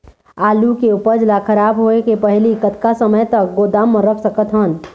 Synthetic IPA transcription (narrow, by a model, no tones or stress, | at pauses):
aːlukeupəɾd͡ʒlakʰəɾaːbɦoekepəɦlikət̪kasəməjt̪ək̚ɡoːd̪aːmːəɾəpsəkət̪ɦən